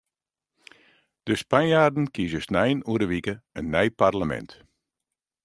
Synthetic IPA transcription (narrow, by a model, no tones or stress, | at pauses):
d̥əspanjaːrdn̩kizəsnɛjənuəɾəʋikəənːɛjparləmɛ̰nt